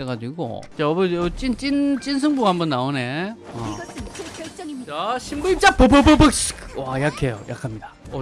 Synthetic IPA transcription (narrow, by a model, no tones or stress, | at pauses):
eɡad͡ʑiɡo̰t͡ɕaʌbɯot͡ɕ͈int͡ɕ͈int͡ɕ͈ins̬ʰɯŋbuɡahambʌnːaone̞ʌ | t͡ɕaɕʰimbuit͡ɕ͈ap͈obɯbobɯkskwajakʰejo̰jʔa̰kʰamɲidao